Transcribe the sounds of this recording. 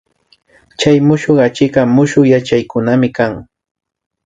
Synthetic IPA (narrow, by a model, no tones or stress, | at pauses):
t͡ʃajmʊʃoɢat͡ʃɪɢɑmʊʃʊjat͡ʃajkʊnamɪkaŋ